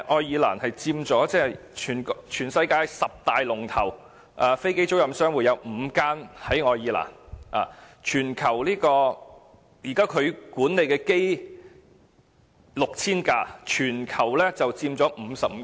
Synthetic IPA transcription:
ʔɔː˧jjiː˨˧la̰ː˨˩nhɐ˨jt͡siː˧mt͡sɔː˨˥t͡sɛː˥˩t͡ʃʰyː˨˩nt͡ʃʰyː˨˩nsɐ˧jkaː˧jsɐ˨p̚t̪aː˨jlʊ˨˩ŋt̪ʰɐ˨˩w | ʔaː˧fe˥jke˥jt͡so˥wjɐ˨msœː˥ŋwuː˨˧˩jɐ˨˧wm̩ː˨˧˥kaː˥nhɐ˨˥jŋɔː˧jiː˧la̰ː˨˩na̰ː˨˧t͡ʃʰyː˨˩nkʰɐ˨˩wliː˥kɔː˧ | jiː˨˩kaː˥kʰɵ˨˧ɥkuː˨˥nle˨˧jkɛː˧ke˥j | lʊ˨k̚t͡sʰiː˥nkaː˧t͡ʃʰyː˨˩nkʰɐ˨˩wlɛː˥t͡sɐ˨wt͡siː˧mt͡sɔː˨˥m̩ː˨˧sɐ˨p̚m˨˧

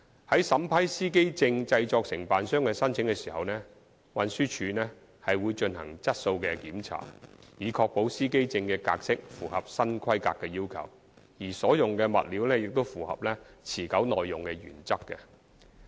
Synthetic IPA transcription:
hɐ˨˥jsɐ˨˥mpʰɐ˥jsiː˥ke˥jt͡sɪ˧ŋt͡sɐ˧jt͡sɔː˧k̚sɪ˨˩ŋpaː˨nsœː˥ŋkɛ˧sɐ˥nt͡sʰɪ˨˥ŋkɛː˧si̥ː˨˩hɐ˨wnɛ˥ | wɐ˨˧nsyː˥t͡ʃʰyː˨˧nɛ˥ | hɐ˨jwuː˨˧jt͡ʃɵ˧nhɐ̰˨˩ŋt͡sɐ˥t̚so˧wkɛ˧kiː˨˥mt͡sʰa̰ː˨˩jiː˨˧kʰɔː˧k̚po˨˥wsiː˥ke˥jt͡sɪ˧ŋkɛː˧ka̰ː˧k̚sɪ˥k̚fuː˨˩hɐ˨p̚sɐ˥nkʰɐ˥jka̰ː˧kːɛ˧jiː˥wkʰɐ̰˨˩w | jiː˨˩sɔː˨˥jʊ˨ŋkɛː˧mɐ̰˨t̚liː˨˥wnɛː˥jɪ˨k̚t̪o˥wfuː˨˩hɐ̰˨p̚lɛː˥t͡sʰiː˨˩kɐ˨˥wnɔː˨jːʊ˨˩ŋkɛ˧jy̰ː˨˩nt͡sɐ˥kːɛ̰˧

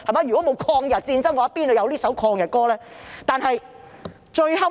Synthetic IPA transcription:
hɐ˨˩jmaː˨˧jy˨˩kɔː˨˥mo˨˧wkʰɔː˧ŋjɐ˨t̚t͡siː˧nt͡sɐ˥ŋːɔː˨˧˦ɐ˦˥piː˥no˨˧jɐ˨˧wliː˥sɐ˨˥wkʰɔː˧ŋjɐ˨t̚kɔː˥lɛː˥t̪aː˨nɦɐ˨j | t͡ʃɵ˧ɥɦɐ˥

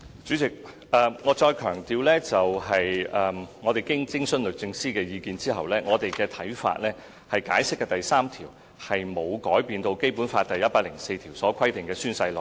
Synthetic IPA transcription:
t͡syː˨˥t͡sɪ˨k̚ | ʔɛː˧ŋɔː˨˧˥t͡ʃɔː˧jkʰœː˨˩ŋt̪iː˧wlɛː˥t͡sɐ˨wɦɐ˨jɛː˨˧ŋɔː˨˧t̪e˨jkɪ˥ŋt͡sɪ˥ŋsɵ˥nlɵ˨˩t̚t͡sɪ˧ŋsiː˥kɛː˧jiː˨˧kiː˨˧nt͡siː˥hɐ˨wlɛː˥ŋɔː˨˧t̪e˨jkɛː˧t̪ʰɐ˨˥jfa̰ː˧t̚lɛː˥ | hɐ˨jkaː˨˥jsɪ˥k̚ːɛː˧t̪ɐ˨jsaː˥mt̪ʰiː˨˩w | hɐ˨jmo˨˧wkɔː˨˥jpiː˨˧nt̪o˧wke˥jpu˨˥nfaː˧t̚t̪ɐ˨˩jɐ˥t̚paː˧lɪ̰˨˩ŋse˧jt̪ʰiː˨˩wsɔː˨˥kʰɐ˥jt̪ɪ˨˩ŋkɛː˧syː˥nsɐ˧jlɔ˨˩

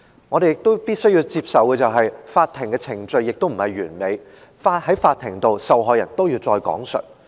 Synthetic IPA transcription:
ŋɔ˨˧e˨jɪ˨k̚t̪o˥wpiː˥t̚sɵ˥ɥjiː˧wt͡siː˧p̚sɐ˨wkɛː˧t͡sɐ˨wɦɐ˨jfaː˧t̚t̪ʰɪ˨˩ŋkɛː˧t͡sʰɪ˨˩ŋt͡ʃɵ˧ɥjɪ˨k̚t̪o˥wm̩˨˩hɐ˨jɥyː˨˩nme˨˧j | faː˧t̚hɐ˨˥jfaː˧t̪ʰɪ˨˩ŋt̪o˨wsɐ˨wɦɔː˨jɐ̰˨˩nt̪o˥wji˧wt͡sɔː˧jkɔ̰ː˨˥ŋsɵ̰˨˩t̚

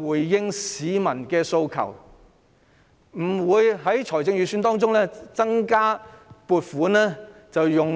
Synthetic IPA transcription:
uː˨˩jːɪ˥ŋsiː˨˥mɐ˨˩nkɛː˧so˧wkʰɐ̰˨˩w | m̩˨˩wuː˨˧jɦɐ˨˥jt͡sʰɔː˨˩jt͡sɪ˧ŋjyː˨syː˧nt̪ɔː˥ŋt͡sʊ˥ŋlɛː˥t͡sɐ˥ŋkaː˥puː˧t̚fuː˨˥nlɛː˥ | t͡sɐ˨wjʊ˨ŋ

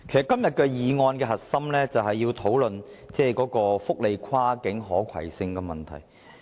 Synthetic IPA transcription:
kkʰe˨˩jsɐ˨kːɐ˥mjɐ˨t̚kɛ˧jiː˨ŋɔː˧nkɛː˧ɦɐ˨t̚sɐ˥mlɛː˥t͡sɐ˨wɦɐ˨jːiː˧wt̪ʰo˨˥wlɵ˨n | t͡sɛː˥kɔː˨˥kɔː˧fʊ˥k̚le˨˧jkʰwaː˥kɪ˨˥ŋɦɔː˨˥kʰɐ̰˨˩jsɪ˨ŋkɛ˧mɐ˨˩nt̪ʰɐ̰˨˩j

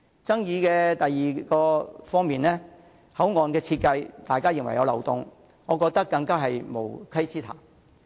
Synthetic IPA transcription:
t͡sɐ˥ŋjiː˨˧kɛː˧t̪ɐ˨jːiː˨kɔː˧fɔː˥ŋmiː˨˩nlɛː˥ | hɐ˨˥wŋɔː˨nkɛː˧t͡sʰiː˧t̚kɐ˧jt̪aː˨jkaː˥jɪ˨ŋwɐ˨˩jɐ̰˨˧wlɐ̰˨˩wt̪ʊ̰˨ŋ | ŋɔː˨˧kɔː˧k̚t̪ɐ˥kːɐ˧ŋkaː˥ɦɐ˨jmo̰˨˩wkʰɐ˥jt͡siː˥t̪ʰa̰ː˨˩ŋ

